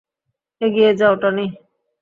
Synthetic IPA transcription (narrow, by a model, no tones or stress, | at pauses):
eɡied͡ʒawʈɔni